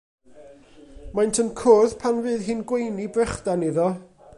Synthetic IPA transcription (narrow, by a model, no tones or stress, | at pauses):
majntʰənkʰʊðpʰanvɨːðɦɨnɡwejnibrɛχd̥aniðɔ